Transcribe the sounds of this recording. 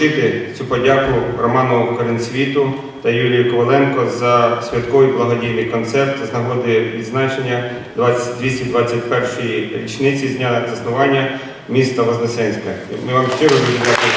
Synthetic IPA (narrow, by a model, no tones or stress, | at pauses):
ɪt̪ɪt͡sʲupɔdʲakʊrɔmɑnʊkɔɾɪnsʲʋʲit̪ʊ | t̪ɐjulʲijʊkɔʋɐlˠɛnkɔzɐsʲʋʲɐt̪kɔʋɪjblˠɐɦɔdʲijnɪjkɔnt̪sɛrt̪ɐznɐɦɔd̪ɪʋʲid̪znɑt͡ʃenʲːɐ | d̪ʋɑd̪ʲʋʲisʲtʲid̪ʋɑt͡sʲːɐt̚ʲpɛrʃɔjiɾʲit͡ʃnɪt͡sʲizʲnʲazɐsnʊʋɑnʲːɐ | mʲist̪ɐʋɐznɛsɛnʲsʲkɐmɪʋɑmʃt͡ʃɪɾɔɦiʒʲid̪ɑt̪ɪ